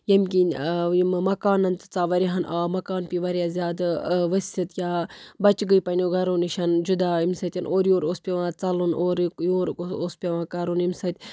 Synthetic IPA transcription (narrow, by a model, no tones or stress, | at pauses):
jɐmʲkinmmɐkaːnɐnt̪t͡saːʋɐɾiɦɐnʔaːmɐkaːnpiʋɐɾjazʲjaːd̪ʋɐsʲɐt̪jaːbɐt͡ʃɡəipɐnoɡɐɾoːniʃɐnd͡ʒud̪aːimsɐt̪ʲɐnʔoːɾjoːɾoːspʲɐʋãːt͡sɐlunʔoːɾkjoːɾoːspʲeʋãːkɐɾunimsɐt̪ʲ